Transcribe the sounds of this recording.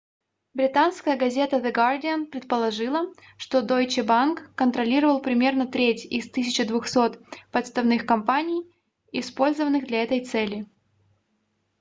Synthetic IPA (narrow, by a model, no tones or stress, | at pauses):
bɾʲɪt̪anskəjəɡɐzʲe̞t̪əd̪ɨɡardʲɪənpɾʲɪt̪̚pəlˠɐʐɨlˠə | ʂt̪o̞d̪ojt͡ɕɪbankːənt̪ɾɐlʲiɾəvəlˠpɾʲɪmʲe̞rnət̪ɾʲetʲɪst̪ɨsʲɪt͡ɕɪd̪vʊxso̞t̪pət̪st̪ɐvnɨxkɐmpanʲɪj | ɪspo̞lʲzəvənːɨɣd̪lʲɐɛt̪əjt̪sɛlʲɪ